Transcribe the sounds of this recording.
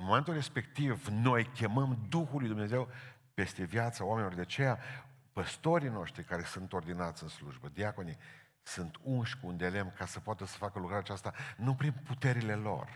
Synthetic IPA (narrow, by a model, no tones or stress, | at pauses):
ɨnmome̞nt̪ulre̞spe̞kt̪ivno̞jkʲe̞məmd̪uxulujd̪umne̞ze̞w | pe̞st̪e̞vjat̪saoamenilord̪eat͡ʃe̞ja | pəst̪o̞ɾijno̞ʃt̪ɾikaɾe̞sunt̪o̞rd̪inat̪sʲɨnsluʒbəd̪iako̞nij | sunt̪unʃʲkuːnd̪ele̞mkasəpoat̪əsə̥fakəlukɾaɾeat͡ʃast̪anupɾimput̪e̞ɾile̞lo̞̰r